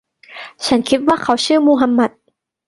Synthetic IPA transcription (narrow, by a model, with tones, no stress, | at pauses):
t͡ɕʰa˦˥nkʰi˧˦˥t̪̚waː˥˩kʰa˦˥wt͡ɕʰɯː˥˩moː˧ɦa˧mːa˦˥t̪̚